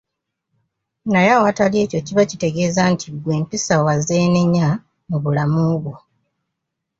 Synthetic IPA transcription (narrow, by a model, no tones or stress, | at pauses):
najawatalje̞ːco̞ciβacite̞ɡe̞ːzantʰiɡwe̞ːmpisawaze̞ːneɲːa | muβulamuβwo